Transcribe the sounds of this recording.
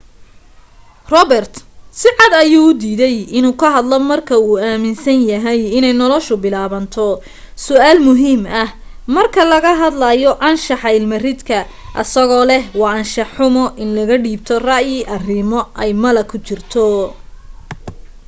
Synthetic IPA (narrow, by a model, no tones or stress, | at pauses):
rɔbɛrt̪sɪʕɑd̪ɐjuːʊd̪iːðɛjɪnuːkʰɐɦɐd̪lɔmɐrkʰɐuːaːmɪnsɐnjɐɦɛjɪnɛjnɔlɔʃʊbɪlaːβɐnt̪ʰɔ | sʊʔaːlmʊɦiːmɐh | mɐrkʰɐlɐɣɐɦɐd̪lɐjɔʔɐnʃɑħɑɪlmɐrɪd̪kʰɐ | ʔɐ̰sɐɣɔːlɛhwɑːɐnʃɑħʊmɔʔɪnlɐɣɐɖiːb̚t̪ʰɔrɑʔjɪʔɐrɪmɔʔɛjmɐlɐkʰʊt͡ʃɪrt̪ʰɔ